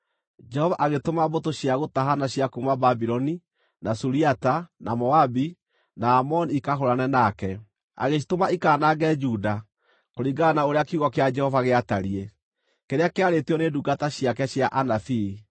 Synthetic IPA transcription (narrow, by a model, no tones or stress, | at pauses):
d͡ʒɛhɔvaʔaɣetomabotoɕjaɣotaɦanaɕjakumababiɾɔni | nasuɾiatanamɔabi | naːmɔnikaɦoɾanɛnakɛ | a̰ɣes̬itomaikaːnaɡɛd͡ʒuda | koɾiɡanaoɾeakuɣɔkead͡ʒɛhɔvaɣeataɾiɛ | keɾeakeaɾeteɔneduɡataɕjakɛɕjaʔanafi